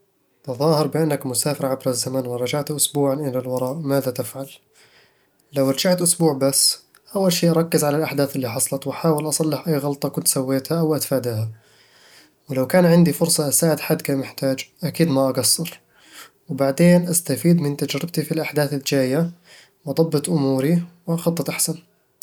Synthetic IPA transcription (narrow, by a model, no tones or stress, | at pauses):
t̪ɑðˤɑːhɪɾˤbɪʔanːakmʊsaːfɪɾʕabɾazːamanwɪɾˤɑd͡ʒaʕt̪ʔʊsbuːʕanʔɪlalwɑɾˤɑːʔmaːðat̪ɪfʕal | lawɑɾˤɑd͡ʒaʕt̪ʔʊsbuːʕbasː | ʔawːalʃiːʔɑɾˤɑkːɪzʕalalʔaħd̪aːθɪlːiːħɑsˤlɑt̪waħaːwɪlʔɑsˤɑlːɪħʔajːɣɑlt̪ˤɑkʊnt̪sawːeːt̪haʔawʔat̪faːd̪aha | wɪlawkaːnʕɪnd̪ifʊɾsˤɑʔasaːʕɪd̪ħad̪kaːmɪħt̪aːd͡ʒʔakiːd̪maʔɑɡɑsːɑɾ | wɪbaʕd̪eːnʔast̪afiːd̪mɪnt̪ad͡ʒɾɪb̚t̪ifilʔaħd̪aːθɪld͡ʒaːja | wʔɑd̪ˤɑbːɨt̪ʔʊmuːɾiwɪʔɑxɑt̪ˤːɑt̪ʔaħsan